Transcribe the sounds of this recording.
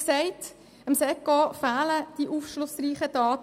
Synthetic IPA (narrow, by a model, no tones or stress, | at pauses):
ksɛɪt | əmsɛkːɔfaːləd̥iʔuːfʃlʊsriːχəd̥ɑːt